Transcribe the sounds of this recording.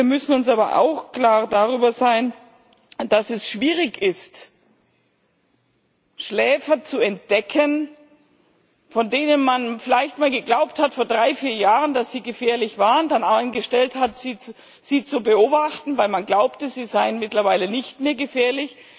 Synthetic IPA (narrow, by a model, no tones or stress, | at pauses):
iɐmʏsn̩ʊnsʔaːbɐ̰ʔa̰ʊxkl̥aːʁdaʁyːbɐzaɪn | d̥asɛsʃv̥iːʁɪkɪst | ʃlɛːfɐt͡suɛnt̚d̥ɛkʰən | fɔndeːnənmanfɪlaɪçtmaːlɡəɡlaʊp̚thatfoːɐdʁaɪfiːɐjaːʁəndasz̥iːɡəfɛːɐlɪçv̥aːʁəndananɡəʃtɛlthatz̥iːt͡s | z̥iːt͡subəoːbaχtn̩vaɪlmanɡlaʊptəziːzaɪənmɪtlɐvaɪlənɪçtmeːɐɡəfɛːɐlɪç